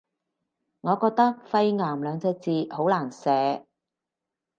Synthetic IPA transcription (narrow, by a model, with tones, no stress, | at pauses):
ŋɔː˨˧kɔː˧k̚t̪ɐ˥k̚fɐ˧jŋaː˨˩mlœː˨˧ŋt͡sɛː˧t͡siː˧ho˨˥wlaː˨˩nsɛː˨˥